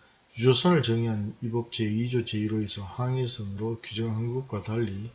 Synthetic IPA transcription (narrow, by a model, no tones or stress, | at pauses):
ud͡ʑosʰʌnɯɭt͡ɕʌŋiɦanibʌp̚t͡ɕ͈eid͡ʑot͡ɕeiɾoesʰʌhaŋesʰʌmɯɾokud͡ʑʌŋɦanɡuk̚k͈wataʎːi